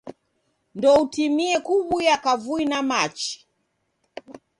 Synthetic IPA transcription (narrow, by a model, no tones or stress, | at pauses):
ndɔutimiɛkuɓujakavuinamat͡ʃi̥